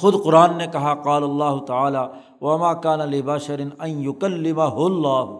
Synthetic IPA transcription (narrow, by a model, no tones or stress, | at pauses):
xʊd̪qʊɾaːnːekɐɦaqaːlɐlːaːɦʊt̪aaːlaː | wɐmaːkaːnalɪbaʃɐɾɪnɐ̃njʊkɐlːɪmaɦʊlːaːɦ